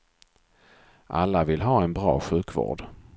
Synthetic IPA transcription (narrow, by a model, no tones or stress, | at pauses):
ʔalːavɪlɦɑːɛnbɾɑ̰ːɧʉ̟ːkvo̰ːɖ